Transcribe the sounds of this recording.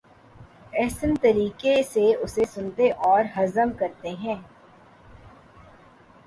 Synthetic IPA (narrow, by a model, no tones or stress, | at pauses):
ɛːsənt̪ɐɾiːkeseʊsesʊnt̪eʔɔːɾɦɐzəmkɐɾt̪eɦɛ̃ː